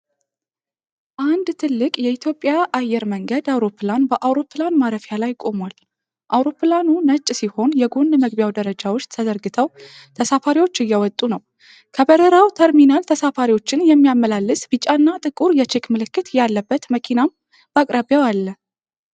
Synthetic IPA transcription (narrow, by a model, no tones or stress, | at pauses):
ʔand̪t̪ʰɨlːɨkʼjɛit̪ʰjo̞pʼːjaʔajːɛɾməŋɡəd̪awɾo̞pːlanbəʔawɾo̞pʰlanmaɾəfjalajkʼo̞mwal | ʔawɾo̞pːlanunət͡ʃʼːsiho̞njɛɡo̞nd̪məɡbjawd̪əɾəd͡ʒawot͡ʃːt̪ʰəd̪əɾɡɨt̪ʰəw | t̪ʰəsafaɾiwo̞t͡ʃːɨjːɛwɔt̪ʼːunəw | kʰəbəɾəɾawt̪ʰəɾminalt̪ʰəsafaɾiwo̞t͡ʃːɪnjɛmːijamːəlalːɨsʼbɨt͡ʃʼanːat̪ʼɨkʼuɾjɛt͡ʃʰekmɨlɨkːɨt̪jalːəbːət̪məkʰinam | bakʼɾʔaβjawalːə